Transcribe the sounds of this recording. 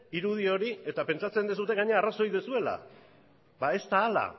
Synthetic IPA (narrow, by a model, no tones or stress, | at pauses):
iɾuð̞io̞ɾie̞t̪ape̞nt͡ʃat͡se̞nd̪es̬ut̪e̞ɣaɲeaːraso̞jðesue̞la̰ | βae̞st̪aːla̰